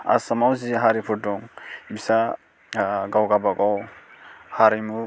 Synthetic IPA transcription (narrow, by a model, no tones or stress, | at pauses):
a̰samawziɦaɾipʰudɔŋbisa | ɡawɡabaɡaw | haɾimu